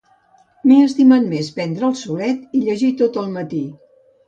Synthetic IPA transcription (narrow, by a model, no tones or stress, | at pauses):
miəst̪imənmespɛnd̪ɾəːlˠsulɛt̪iʎəʒit̪ot̪əlˠmət̪i